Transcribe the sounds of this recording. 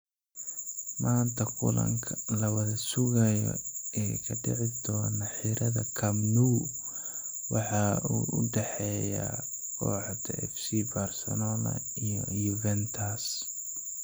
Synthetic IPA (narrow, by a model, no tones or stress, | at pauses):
maːnt̪ʰɐkʰʊlɐ̰ŋkʰɐlɐwɐðɐsʊɣɐjɔ̰ɛːkʰɐɖɪ̰ʕɪd̪ɔːnɐħiɾɐðɐkʰɐmnuː | wɑħɑuːʔʊɖɛħɛja̰ | kʰɔ̰ːħd̪ʰɐɛfsibɐrsɔnɔlɐ̰ | ijɔjuvɛnt̪ʰɐs